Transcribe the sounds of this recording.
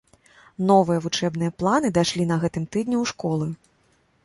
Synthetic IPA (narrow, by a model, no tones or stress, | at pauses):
nɔvɨjɐvut͡ʂɛbn̪ɨjɐplˠanɨd̪ajʂlʲinɐɣɛt̪ɨmt̪ɨd̪nʲuwʂkɔlˠɨ